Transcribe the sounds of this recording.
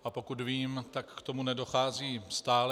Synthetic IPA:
ʔapo̞kut̪viːmt̪akkt̪o̞munɛdo̞xaːziːst̪aːl

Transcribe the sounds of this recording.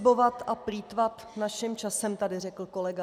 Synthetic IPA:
bo̞vat̪apɾiːt̪vat̪ | naʃɪmt͡ʃasɛmt̪adɪrɛkl̩ko̞lɛɡa

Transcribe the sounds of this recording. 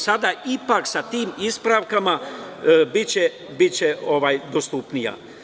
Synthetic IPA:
sad̪aipaksat̪iːmispɾaʋkama | bit͡ɕe | bit͡ɕeʔo̞ʋajd̪ost̪upnija̰

